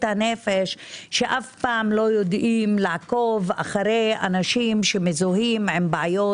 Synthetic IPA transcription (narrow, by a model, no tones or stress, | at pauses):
thanefeʃʃeʔafpaːmlo̞jo̞d̪imlaʕakova̰χaɾejanaʃimʃemezoɦimʕembeʕajo